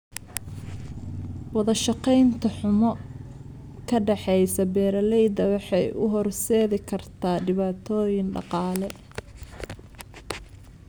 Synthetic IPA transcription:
wɑðɐʃɑqɛjnt̪ʰɐħʊmɔ | kʰɐɖɑħɛjsɐbɛːɾɐlɛjd̪ɐwɑħɑjʔʊ̰ɦɔrsɛːðɪkʰɐrt̪ʰaːɖɪβaːt̪ʰɔːjɪnɖɑ̰qɑːlɛ

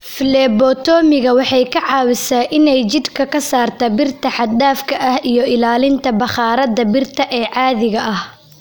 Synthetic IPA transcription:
fɪlɛːbɔt̪ʰɔːmɪɣɐwɑħɑjkʰɐʕɑːwɪsɛʔɪnɛjt͡ʃɪd̪kʰɐkʰɐsaːrt̪ʰɐbɪrt̪ʰɐħɑd̪daːfkʰɐʔɐhijɞɪlaːlɪnt̪ʰɐbɑχɑːɾɐðɐbɪrt̪ʰɐʔɛːʕɑːðɪɣɐʔɐh

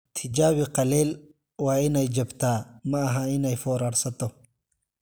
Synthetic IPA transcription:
t̪ʰɪd͡ʒaːwɪqɑlɛːl | waːɪnɛjd͡ʒɐbt̪ʰaːmɐɐɦɐɪnɛjfɔːɾaːɾsɐt̪ɔ

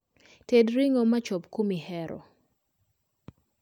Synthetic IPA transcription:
tedɾiŋɔmat͡ʃɔpkomihɛɾɔ̰

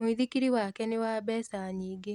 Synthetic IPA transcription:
miðikiɾiwakɛnewaːbɛːsaɲiːɡe

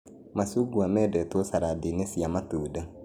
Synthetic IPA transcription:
masuɡuamɛdɛt̪osaɾadinesiamatuːda

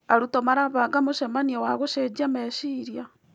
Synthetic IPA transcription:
aɾutomaɾaβaɡamoʃɛmaniɔwaɣoʃed͡ʒiamɛʃiɾja

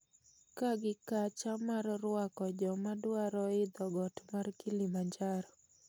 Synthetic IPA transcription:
kaɡɪkat͡ʃamarrʊwakɔd͡ʒɔmadwaɾɔɪd̪ɔɡɔtmarkilimaɲd͡ʒaɾɔ

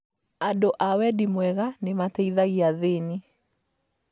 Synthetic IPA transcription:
andoʔawɛdimwɛɣanematɛiðaɣiaðeni

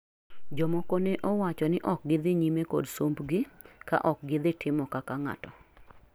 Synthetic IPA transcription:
d͡ʒɔmokoneʔɔwat͡ʃɔnɪʔɔk̚ɡɪd̪ɪɲimeko̰dsombɡɪka̰ʔɔk̚ɡɪd̪ɪtʰɪmɔkakaŋa̰tɔ

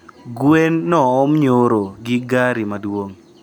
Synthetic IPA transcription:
ɡwenːɔɔmɲoɾoɡɪɡaɾimadwoŋ

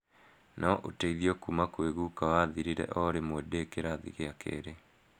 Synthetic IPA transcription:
naʔotaiðiɔkumakweɣukawaðiɾiɾɛ̰ʔɔɾemwɛdekeɾaðḭɣeakʰḛːɾe

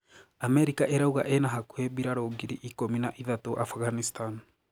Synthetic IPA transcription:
amɛɾikaʔeɾauɣa̰ʔenaɦakweβiɾaɾoɡiɾiʔikominaʔiðatoʔafɣanistan

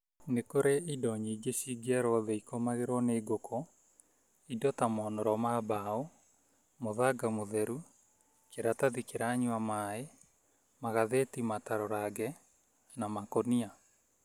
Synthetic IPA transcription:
nekoɾeidɔɲiiɡesiɡiaɾɔðɛikɔmaɣeɾwɔneːɡokʰɔ | idɔtamɔnɔɾɔmabao | moðaɡamoðɛɾu | keɾataðikeɾaɲwamae | maɣaðetimataɾɔɾaɡɛ | namakonia

